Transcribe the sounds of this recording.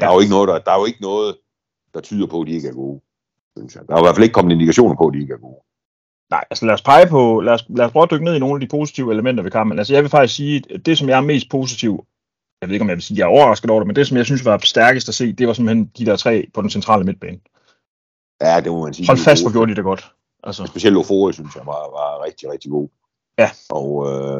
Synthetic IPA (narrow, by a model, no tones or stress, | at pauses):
d̥ɐjoe̝ɡənɔ̽ːð̞̩ˠd̥d̥ɑ̈æjoe̝ɡ̥ənɔ̽ːð̞̩ˠ | d̥ɑ̈t͡sʰyːðˠɐpʰɒ̽d̥ie̝ɡ̥æɐɡ̥o̝ː | synsjɑd̥ɑæɪʋæɐfæleɡ̥əkʰɒ̽mn̩e̝nd̥ikʰæɕo̝̰ːnɐpʰɒ̽d̥ie̝ɡ̥æɐɡ̥o̝ː | nɑ̈ɪʔælsəlæɐspʰɑ̈ɪpʰɒ̽læɐslæɐspʰʁœʊəd̥øɡ̥ənḛino̝ːn̩æd̥ipʰo̝ːsi̥t͡sʰiʊəeləmen̰d̥ɐʋe̝kʰɑ̈mb̥n̩æls̬əjɑɪʋe̝fɑ̈ɡ̥isksiːd̥e̝sɒ̽mjɑ̈æɐme̝̰ːsd̥̚pʰo̝ːs̬it͡sʰiʊ̰ | jɑʋeð̩ˠe̥ɒ̽jɑɪʋe̝lsiːjɑ̈ɐɒʊɐʁɑ̈sɡ̥ð̩ˠɒ̰d̥emend̥e̝sɒ̽mjɑɪsynsʋɑ̈sd̥æɐɡ̥əsd̥æse̝̰̥ːd̥e̝ʋɑ̈semb̥əhend̥idæɐt͡sʰʁɛ̰ːpʰɒ̽densent͡sʰʁɑ̰ːləme̝d̥̚b̥ɛːn | jæd̥ememænsiːhɒ̽l̰fæsd̥ʋɒɡ̥jo̝ɐdid̥eɡ̥ɒ̽d̥ | ʔælsəsb̥e̝ɕiel̰dofoːisynsjɑ̈ʋɑ̈ʋɑ̈ʁɛɡ̥̚d̥iʁɛɡ̥̚d̥iɡ̥o̝̰ː | jæʔɒ